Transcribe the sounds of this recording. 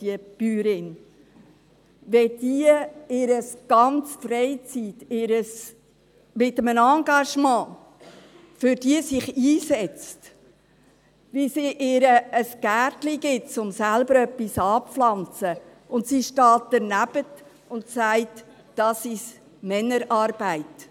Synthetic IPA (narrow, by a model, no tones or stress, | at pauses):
iəb̥yːɾɪn | ʋɛd̥iəɪːɾəsɡ̥ɑnt͡sfɾɛɪt͡siːtɪɾəs | mɪtəmənɑŋɡɑʃmɑ̃ː | fʏɾd̥iəsɪχiːsɛt͡st | ʋisiʔɪːɾəːsɡ̥æːɾtliɡɪt̚t͡sʊmsælbəɾœpːisɑːpflɑnt͡sə | ʊntsiʃtɑːt̚d̥əɾnæb̥ət | ʊntsæɪt | d̥ɑsis | mɛnəɾɑːɾb̥æɪt